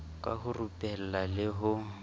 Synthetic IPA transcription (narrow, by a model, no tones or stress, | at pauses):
kʼa̰hʊrupʼɛl̩lalɪɦʊ